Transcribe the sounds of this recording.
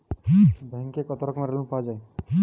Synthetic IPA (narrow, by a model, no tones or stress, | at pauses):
bʱɛ̃ŋkekɔt̪ɔɾɔkmãɾelũpad͡ʒae